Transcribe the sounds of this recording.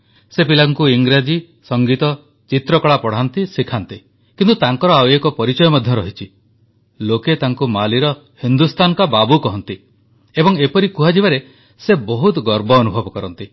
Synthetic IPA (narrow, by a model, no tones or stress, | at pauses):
sepilaŋkuiŋɡɾad͡ʒi | sɔŋɡit̪ɔ | t͡ʃit̪ɾɔkɔɭapɔɽ̤ant̪isikʰant̪i | kint̪ut̪aŋkɔɾɔawekɔpɔɾit͡ʃɔjɔmad̪ʱjɔɾɔɦit͡ʃʰi | loket̪aŋkumaliɾɔ | hind̪ust̪anɔkababukɔɦɔnt̪i | ebɔŋepɔɾikuɦad͡ʒibaɾe | sebɔɦut̪ɡɔɾbɔːnubʱɔbɔkɔɾɔnt̪i